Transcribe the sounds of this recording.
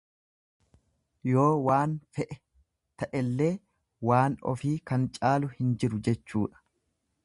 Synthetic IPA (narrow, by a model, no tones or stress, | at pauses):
jo̞ːwaːnfɛʔɛ | t̪ɐʔɛlːe̞ː | waːnɔ̰fiːkɐnt͡ʃʼaːlʊhɪnd͡ʒɪɾʊd͡ʒɛt͡ʃːuːᶑɐ̥